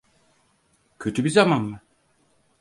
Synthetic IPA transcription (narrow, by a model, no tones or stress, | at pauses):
cʰø̞t̪ʰybizamanma